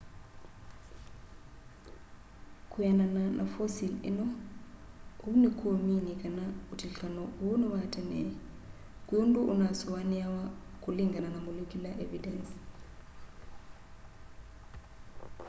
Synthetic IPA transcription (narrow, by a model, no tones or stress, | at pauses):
kʰujanananʔa̰fosilɛ̰nɔ | unikʰuɔminikʼanautʰiɬanɔunɔβatʰʼɛnɛ | kʼujundʼuʔunasɔwaniawakʼuliŋɡananamulukʼilaʔevidɛns